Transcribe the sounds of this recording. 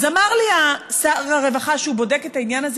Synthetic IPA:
zamaʁliasaʁaʁe̞vaχaʃeubo̞de̞ketainjanaz

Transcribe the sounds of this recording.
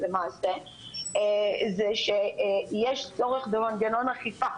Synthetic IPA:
lemaːse | zeʃejeʃt͡so̞ʁeχd̪emanɡano̞naχifa

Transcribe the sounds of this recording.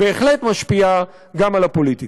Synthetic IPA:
eːχlet̪maʃpia | ɡamalapo̞lit̪i

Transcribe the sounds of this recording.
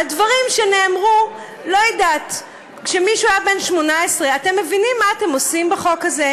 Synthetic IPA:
advaʁimʃene̞ːmʁu | lo̞jidat | kʃemiʃuajabe̞nʃmo̞naesʁeate̞mːe̞vinimːaːte̞mosimbeχo̞kaze

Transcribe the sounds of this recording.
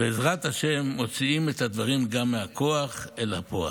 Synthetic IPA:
beːzʁat̪haʃe̞mːo̞t͡siimet̪had̪vaʁimɡamːeakʰoaχelhapoa̰

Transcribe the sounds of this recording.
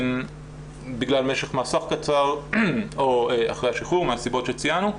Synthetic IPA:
n | biɡlalmeʃe̞χmaːsaχkat͡saʁ | oea̰χʁejhaʃiχuʁmeasibo̞tʃet͡sianu

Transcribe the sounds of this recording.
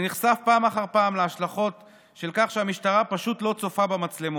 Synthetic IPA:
niχsafpaːmaχaʁpaːmleaʃlaχo̞t | ʃe̞lkaχʃeamiʃtaʁapaʃut̪lo̞t͡so̞fabamat͡slemu

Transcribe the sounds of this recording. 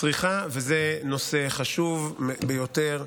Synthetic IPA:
t͡sʁiχavezeno̞seχaʃuvbejoteʁ

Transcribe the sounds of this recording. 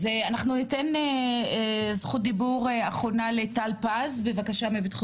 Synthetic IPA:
zeanaχnunitene | zχut̚d̪ibuʁaχo̞nalet̪alpazbevakaʃamibit̪χu

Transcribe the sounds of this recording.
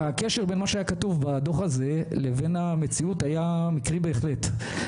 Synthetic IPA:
akeʃeʁbenmaʃeajakatuvbad̪o̞χaze̞levenamet͡siutajamikʁibe̞ːχlet

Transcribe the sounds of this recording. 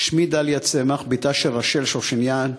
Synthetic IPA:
ʃmid̪aljat͡semaχbit̪aʃeʁaʃelʃoʁʃinjan

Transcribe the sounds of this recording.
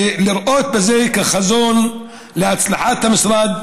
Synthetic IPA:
lɪɾʔoːt̪̚bazeːjkaxazuːn | lɪasˤlaħaːt̪ːamɪsɾˤɑːd̪

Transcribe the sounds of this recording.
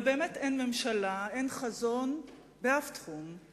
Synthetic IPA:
be̞ːmetenme̞mʃalae̞nχazo̞n | beaftχum

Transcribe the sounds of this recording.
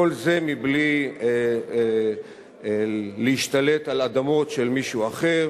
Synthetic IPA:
olze̞mibli | leiʃt̪ale̞t̪alad̪amo̞tʃe̞lmiʃuaχe̞ʁ

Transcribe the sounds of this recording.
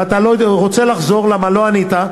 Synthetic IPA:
at̪aloʁot͡se̞laχzo̞ʁlamalo̞anit̪a

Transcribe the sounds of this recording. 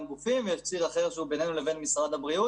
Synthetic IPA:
ɡufimveakt͡siʁaχe̞ʁʃeube̞ne̞nule̞ve̞nmisʁad̪abʁiu

